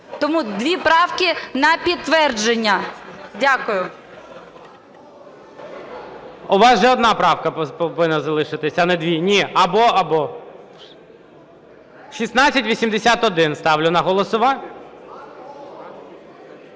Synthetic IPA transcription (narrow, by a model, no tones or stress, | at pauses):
t̪ɔmud̪ʋʲipɾɑwkʲɪnɐpʲid̪̚t̪ːʋɛrd͡ʒenʲːɐdʲakʊjʊ | ʊʋɑsʒɛɔd̪nɑpɾɑwkɐpɔʋɪnɐzɐlˠɪʃɪt̪ɪsʲɐnɛd̪ʋʲinʲiɐbɔɐbɔ | ʃisnɑt͡sʲːɐtʲʋʲisʲimd̪esʲat̪ɔd̪ɪnst̪ɑwlʲʊnɐɦɔlˠɔsʊʋɑ